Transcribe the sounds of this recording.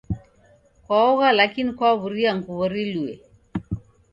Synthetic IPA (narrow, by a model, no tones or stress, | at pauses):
kwaɔɣalakinikwaɔβuɾiaŋkuβɔɾiluɛ